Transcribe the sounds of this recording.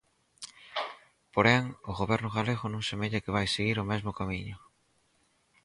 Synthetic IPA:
poɾɛŋʊɣoβɛɾnʊɣaleɣʊnõŋsemeʎakɪβ̞ajseɣiɾʊmɛzmʊkamiɲʊ

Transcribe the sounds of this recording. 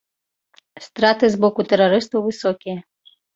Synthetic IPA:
st̪ɾat̪ɨzbɔkʊt̪ɛɾɐɾɪst̪ɐwʋɨsɔkʲijɛ

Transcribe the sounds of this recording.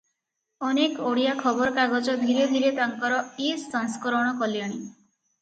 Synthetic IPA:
ɔnekoɽijakʰɔbɔɾɔkaɡɔd͡ʒɔd̪ʱiɾed̪ʱiɾet̪aŋkɔɾɔisːɔŋskɔɾɔɽ̃ɔkɔlijaɽ̃i

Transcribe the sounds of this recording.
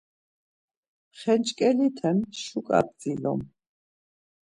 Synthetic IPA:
χɛnt͡ʃʼkʼɛlit̪ʰɛnʃukʼa̰p̪̚d͡zʼilɔ̰m

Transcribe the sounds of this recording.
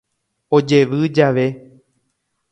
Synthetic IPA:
o̞d͡ʒe̞ʋɨd͡ʒaʋe̞

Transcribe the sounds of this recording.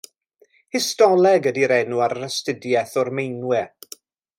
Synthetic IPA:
hɪstɔlˠɛɡədiɾɛnuaɾərəstɪdjɛθɔrmejnwɛ

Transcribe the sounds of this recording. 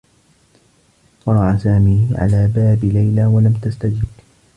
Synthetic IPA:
qɑɾˤɑʔasaːmiːhʕa̰laːbaːbɪlajlaːwalamt̪ast̪ad͡ʒɪb

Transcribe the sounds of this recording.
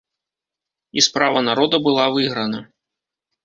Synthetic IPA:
ispɾavɐnaɾɔd̪ɐbɨlˠavɨɣɾɐnɐ

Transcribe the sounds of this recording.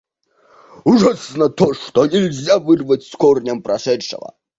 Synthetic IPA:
uʐasnɐt̪ʰoʂt̪ɔnʲɛlʲzʲavɨrvɐt͡sʲskɔrnʲɐmpɾɐʂɛʂɛ̰vɐ̰

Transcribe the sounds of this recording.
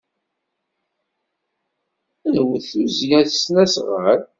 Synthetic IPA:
ænwəθuzjæθsnæsʁəɾ

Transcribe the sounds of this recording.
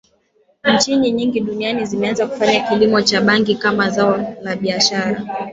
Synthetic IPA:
ɲ̩t͡ʃiɲiɲiŋɡiɗunianizimɛanzaku̥faɲakilimɔt͡ʃaɓaŋɡikamazaɔlaɓiaʃaɾa̰

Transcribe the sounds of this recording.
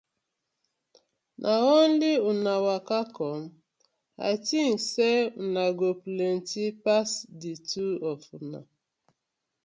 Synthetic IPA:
nʔaonliunawakakɔm | a̰tiŋ̩sɛunaɡoplen̩tipasdituɔfuna̰

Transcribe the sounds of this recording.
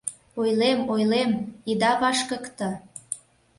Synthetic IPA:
ojlemojlemid̪ɑβɑʃkə̆kt̪ɤ̆

